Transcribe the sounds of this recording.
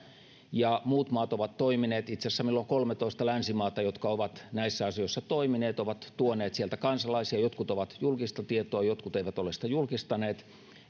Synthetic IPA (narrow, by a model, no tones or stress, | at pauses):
jɑmuːt̪mɑːt̪oʋɑt̪toimineːt̪it̪sesːæmilːoŋkolmet̪oist̪ɑlænsimɑːt̪ɑjot̪kɑoʋɑt̪næisːæɑsijoisːɑt̪oimineːt̪oʋɑt̪t̪uoneːt̪sielt̪ækɑnsɑlɑisiɑjot̪kut̪oʋɑt̪julkist̪ɑt̪iet̪oɑjot̪kut̪eiʋæt̪olesi̥t̪æjulkist̪ɑneːt̪